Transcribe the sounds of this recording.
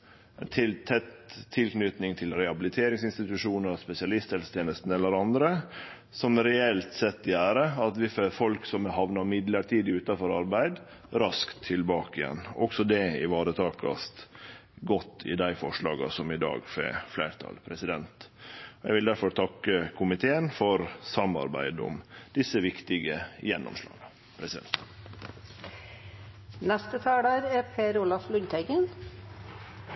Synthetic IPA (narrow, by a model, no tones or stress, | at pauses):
ɛnt̪ʰɪlt̪ʰɛt̪ʰːɪlknʏt̪nɪŋt̪ʰɪlɾɛhɑbɪlɪt̪ʰeːɾɪŋsɪnst̪ɪt̪ʉʂuːnəɾspɛsɪɑlɪst̪hɛlsə̥t̪ʰjeːnəst̪n̩ɛlːəɾɑnd̪ɾə | sɔmɾɛɛlt̪sɛt̪ːɪæːɾəɑt̪ʋɪføːɾfɔlksɔmɛɦɑʋnɑmɪd̪ləʈʰiːd̪ɪʉːt̪ɑfɔɾɑɾbæɪd̪ | ɾɑskt̪ʰːɪlbɑːkɪjɛ̰nːɔksɔd̪ɛɪʋɑːɾət̪ʰɑːkɑ̰st̪ɡɔt̪ːɪ̰d̪æɪfɔʂɭɑːɡɑ̰sɔmɪd̪ɑ̰ːɡfḛːfleːɾt̪ʰɑ̰lpʰɾɛsɪd̪ɛnt̪ɔjɛɡʋɪld̪æɾfɔɾt̪ʰɑkːəkʰʊmɪt̪ʰeːənfɔɾsɑmɑ̰ɾbæ̰ɪd̪ʊ̰md̪̥ɪsəʋɪkt̪ɪɡəjɛnːɔ̰mʂlɑ̰ːɡɑ | pʰɾɛsɪd̪ɛ̰nt̪ | nɛst̪ət̪ʰæːɖɑːɾɛpʰeːɾulɑflʉnt̪ʰæɪɡən